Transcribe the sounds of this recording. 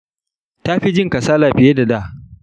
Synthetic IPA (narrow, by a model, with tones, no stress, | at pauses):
taː˦ɸi˦d͡ʒɪ˦ŋkɐ˨saː˦laː˨ɸɪ˨je˦da˨da˦˨